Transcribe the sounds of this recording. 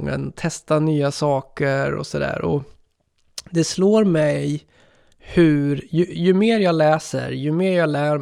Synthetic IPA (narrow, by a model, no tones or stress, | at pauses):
ŋːə̰nt̪ʰɛst̪anyːasɑːkəɾɔ̰sɔd̪æ̰ːɾɔ̰ | d̪ɛsloːɾmɛj | hɵɾjɵjɵmeːɾjɑːlɛːsə̰ɾjɵmeːɾjɑːlæːɾ